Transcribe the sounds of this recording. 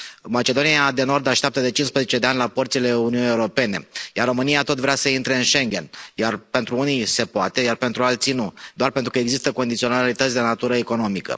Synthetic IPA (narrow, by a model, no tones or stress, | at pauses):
mat͡ʃe̞d̪o̞niad̪e̞no̞rd̪aʃt̪eap̚t̪əd̪e̞t͡ʃinspɾezet͡ʃe̞d̪e̞anʲlapərt̪sile̞uniunie̞uɾo̞pe̞ne̞̰jarːo̞mɨniat̪o̞t̪vɾeasəint̪ɾe̞ɨnʃe̞ŋɡʲe̞̰njarpe̞nt̪ɾuunise̞poat̪e̞jarpent̪ɾualt̪sinud̪oarpe̞nt̪ɾukəeɡzist̪əkond̪it̪sio̞nalit̪ət̪sʲd̪e̞nat̪uɾəeko̞no̞mikə̰